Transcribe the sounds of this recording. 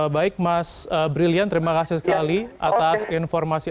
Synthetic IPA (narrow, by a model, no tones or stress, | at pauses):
baɪk̚masəbɾiliant̪əɾimakasɪsə̥kaliʔa̰t̪asinfɔrmasi